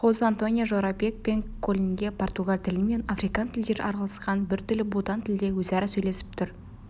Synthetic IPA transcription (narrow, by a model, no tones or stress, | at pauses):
χozant̪o̞nʲijoʒoɾapʲek̚pe̞ŋkʰolʲiŋɡʲe̞pʰo̞rt̪uɡalʲt̪ʰɪlɪme̞nɑfɾijkɑnt̪ʰɪld̪e̞ɾɑɾɑlˠɑsqɑnbɪɾt̪ʰɪlɪbut̪ɑnt̪ʰɪld̪e̞wɵzæɾɪsɵjle̞sɪ̥p̚t̪ʰʊɾ